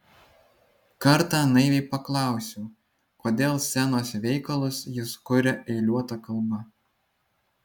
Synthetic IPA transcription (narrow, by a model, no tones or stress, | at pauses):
kɐɾt̪ɑːnɐɪʋʲɛɪpɐklˠɑˑʊsʲuː | koːd̪ʲeːlˠsʲɛnoːsʋʲɛɪkɐlˠʊsjɪskʊɾʲɛʔɛɪlʲuɔt̪ɑkɐlˠbɐ